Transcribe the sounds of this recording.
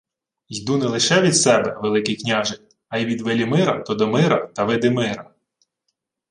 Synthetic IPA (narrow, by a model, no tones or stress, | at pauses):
jʲd̪unɛlˠɪʃɛʋʲid̪sɛbɛʋelˠɪkɪjknʲaʒɪk | ɐjʋʲid̪ʋelʲimɪɾɐt̪ɔd̪ɔmɪɾɐt̪ɐʋɪd̪ɪmɪɾɐ